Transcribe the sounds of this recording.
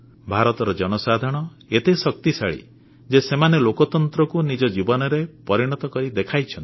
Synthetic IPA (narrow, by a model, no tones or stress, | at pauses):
bʱaɾɔt̪ɔɾɔd͡ʒɔñɔsad̪ʱɔɽ̃ɔ | et̪esɔk̚t̪isa̰ɭḭ | d͡ʒesemanelokɔt̪ɔnt̪ɾɔkunid͡ʒɔd͡ʒibɔnɔɾepɔɾiɽ̃ɔt̪ɔkɔɾid̪ekʰajt͡ʃʰɔnt̪i